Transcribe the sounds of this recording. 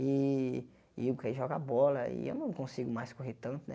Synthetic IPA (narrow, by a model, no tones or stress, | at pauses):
ɪ | iukaiʒɔɡa̰bɔlɐɪ̰ḛwnɐ̃kõsiɡʊmajskoɦet̪ɐ̃nt̪ʊnɛ